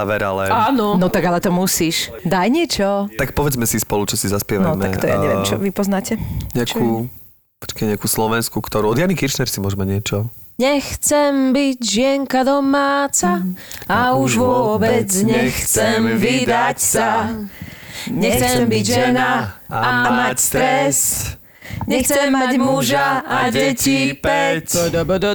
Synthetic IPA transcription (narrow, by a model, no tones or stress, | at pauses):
aʋɛɾalɛaːnɔnɔt̪aɡalɛt̪ɔmusiːʃ | d̪ajɲɪɛt͡ʃɔt̪ak̚pɔʋɛd͡zmɛsispɔlut͡ʃɔsizaspɪɛʋanɔtmɛak̪ɔja̰ɛʋjɛɛmt͡ʃɔ̰ʋipɔznaːcɛɲɛakʰuː | pɔ̥t͡ʃkɛɲɪakuːslɔʋɛnskukt̪ɔɾuɔd̪janikiɾʃnɛɾsimʊɔʒmaɲɪɛt͡ʃɔɲɛxt͡sɛmbiɟʒɪɛŋkad̪ɔmaːt͡saauʒʋɔbɛd͡zɲɛxt͡sɛmvid̪acsa | ɲɛxt͡sɛmbiʒɛnaamast̪ɾɛs | ɲɛxt͡sɛmːaɟmuʒaaɟɛcipɛc